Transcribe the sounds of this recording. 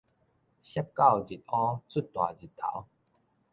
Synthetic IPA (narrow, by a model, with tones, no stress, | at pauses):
ɕa˦p̚ka˥˨wd͡ʑi˨t̚ɔ̃˦t͡su˥˨t̪wa̰˨d͡ʑi˨t̪ʰːa̰˨˦w